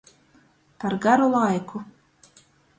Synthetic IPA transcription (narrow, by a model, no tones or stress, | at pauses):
paɾɡaɾulˠajku